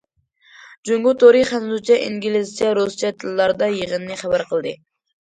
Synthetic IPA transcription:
d͡ʒuŋɡʊt̪oɾiχænzut͡ʃʰɛʔḭŋɡʲilɪst͡ʃjɑɾust͡ʃɛt̪ʰɨlːɑɾd̪ɑjeʁənnɨχæbæɾqʰəlˠd̪ɨ

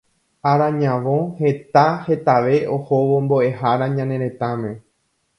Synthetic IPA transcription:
aɾãɲãʋõ̞he̞t̪ahe̞t̪aʋe̞ohoʋo̞mbo̞ʔe̞ɦaɾãɲãnẽ̞ɾẽ̞t̪amẽ̞

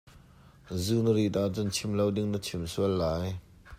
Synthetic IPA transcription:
zunərit̪aʔt͡sunt͡sʰimlɐwdɪŋnət͡sʰimsuəlːaːj

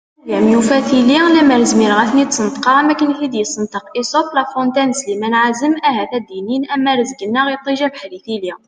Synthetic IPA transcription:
jæmjufæθililæmæɾəzmiɾɣæθnit̪sənt̪qɑɾˤmækənxid̪jəsənt̪əqisot̪læfɾɔnt̪ænəslimænʕazəmʔæhæθæd̪ininʔæmːæɾəzɡənːæɣjt̪ˤːiʒæbħɾiθili

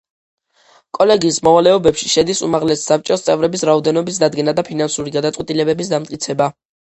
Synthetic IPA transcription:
kʼɔlɛɡismɔvalɛɔbɛpʃiʃɛd̪isṵmaʁlɛsːap̚t͡ʃʼɔst̪sʼɛvɾɛbisɾaɔd̪ɛnɔbis̬d̪ad̪ɡɛnad̪apʰinansuɾiɡad̪at̪sʼwɛt̪ʼilɛbɛbis̬d̪amt̪ʼkʼit̪sʰɛba

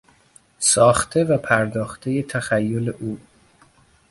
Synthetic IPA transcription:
sɒːxt̪ʰe̞væpʰæɾd̪ɒːxt̪ʰeje̞t̪ʰæxæjːoleʔuː

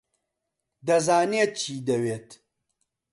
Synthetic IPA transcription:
d̪ɐzaːneːt̪̚t͡ʃʰiːd̪ɐweːt̪

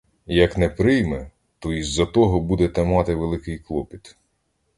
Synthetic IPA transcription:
jɐknɛpɾɪjmɛ | t̪ɔizːɐt̪ɔɦɔbud̪ɛt̪ɐmɑt̪ɪʋelˠɪkɪjklˠɔpʲit̪

